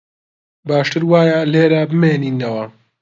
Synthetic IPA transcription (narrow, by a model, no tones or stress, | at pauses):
baːʃt̪ɨɾwaːjaleːɾabɨmeːniːnːɐwɐ